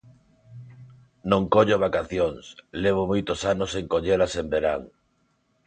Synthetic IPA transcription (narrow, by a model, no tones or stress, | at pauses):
nõŋkoʎoβ̞akaθjoŋsleβ̞omojt̪osanoseŋkoʎelasembeɾaŋ